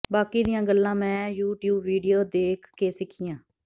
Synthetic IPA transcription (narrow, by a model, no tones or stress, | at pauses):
baːkiːd̪ɪjãːɡəlːãːmɛ̃ːjuːʈjuːbːiːɖijoːd̪eːkʰːeːsɪkʰijãː